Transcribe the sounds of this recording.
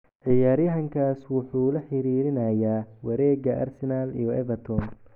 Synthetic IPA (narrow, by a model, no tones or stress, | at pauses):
ʕɪjaːɾjɐɦɐŋkʰaːswʊħuːlɐħɪɾiːɾɪnɐjaːwɐɾɛːɡɐʔa̰rsɛnalḭjɔɛvɐt̪ʰɔn